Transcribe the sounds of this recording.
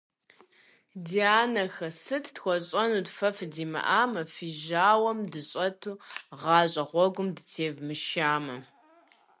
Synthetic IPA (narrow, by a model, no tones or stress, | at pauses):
diaːnɐxɐsɨtʰtxʷɔɕʼɐnuːdfɐfdiːmɐ̰ʔaːmɐfiʒaːwɐmdɨɕʼɐtʰuːʁɑːɕʼɐχʷɔɡʷʊmdɨtʰeːvmɨʃaːmɐ